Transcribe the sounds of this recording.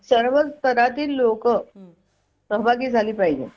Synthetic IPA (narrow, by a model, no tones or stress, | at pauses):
səɾʋəd͡zt̪əɾat̪iːlːokə | səɦbʱaɡiːd͡zʱaliːpaɦid͡ʑḛː